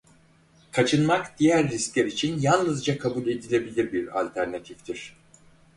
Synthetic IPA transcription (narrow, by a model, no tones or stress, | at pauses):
kʰat͡ʃʰɯnmakd̪̥ijæɾːisklʲæɾit͡ʃʰinjannɯzd͡ʒakʰabulʲe̞d̪ilʲe̞bilʲiɾbiɾa̰lʲt̪ʰæɾnat̪ʰift̪ʰiɾ̥